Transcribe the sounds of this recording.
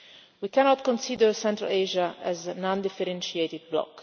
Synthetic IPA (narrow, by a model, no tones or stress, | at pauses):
wikɛnɔt̪̚kɔ̃nsid̪əɹsɛ̃nt̪ɾa̰leʒaɛznãnd̪ifɛɾɛ̃nʃiet̪ɪd̪̚blɔ̰k